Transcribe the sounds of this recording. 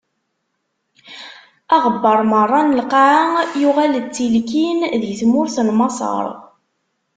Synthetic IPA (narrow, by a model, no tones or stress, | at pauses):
ɑʁəbːəɾˤmərˤːɑnəlqaʕajʊʁælt͡sːilkinðjəθmʊɾθnmɑsˤɑ̰ɾˤ